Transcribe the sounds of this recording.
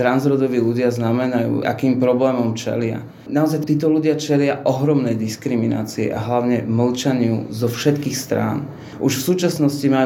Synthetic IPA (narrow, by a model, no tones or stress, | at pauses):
t̪ɾanzɾɔd̪ɔʋiːluɟɪaznamɛnajṵːʔa̰kiːmpɾɔblɛːmɔmt͡ʃɛ̰lɪa̰ | naɔzajt̪iːt̪ɔluɟɪat͡ʃɛlɪaʔɔɦɾɔmnɛjd̪iskɾimina̰ːt͡siɛ̰ʔa̰ɦlaʊɲɛml̩t͡ʃaɲɪṵzɔfʃɛt̪kiːxst̪ɾa̰ːn | ʔuʃfsuːt͡ʃasnɔscimaj